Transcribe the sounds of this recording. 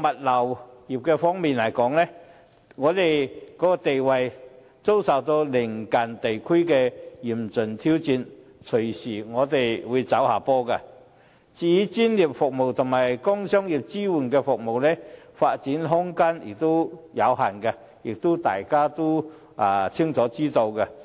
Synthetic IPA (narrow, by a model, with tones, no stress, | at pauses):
mɐ˨t̚lɐ˨˩wji˨˩p̚kɛ˧fɔː˥ŋmiː˨˩nlɐ˨˩jkɔː˨˥ŋnɛ˦˥ | ŋɔː˨˧t̪e˨˩jkɔː˨˧˥kɔ˧t̪e˨jwɐ˨˩j | t͡so˥wsɐ˨˩wt̪o˧wlɪ˨˩ŋka˨˩nt̪e˨˩jkʰu˥jkɛ˧ji˨˩mt͡sɵ˨˩nt̪ʰi˥wt͡siː˧nt͡sʰɵ˨˩siː˨˩ŋɔː˨˧t̪e˨˩jwuː˨˧jt͡sɐ˨˥whaː˨˩pɔː˧ka˧ | t͡si˨˧jt͡si˥nji˨˩p̚fʊ˨k̚mo˨˩wt̪ʰʊ˨˩ŋmaː˨˩jkɔ˥ŋsœ˥ŋji˨˩p̚t͡siː˥wu˨˩nkɛ˧fʊ˨k̚mo˨˩wnɛ˥faː˧t̚t͡siː˨˥nɦʊ˥ŋkaː˥njɪ̰˨˩k̚t̪o˥wjɐ˨˧wɦa˨˩nka˧ | jɪ˨˩k̚t̪o˥t̪aː˨˩jkaː˥t̪o˥ | ʔa˨˧t͡sʰɪ˥ŋt͡sɔː˨˥t͡siː˥t̪o˧wka˧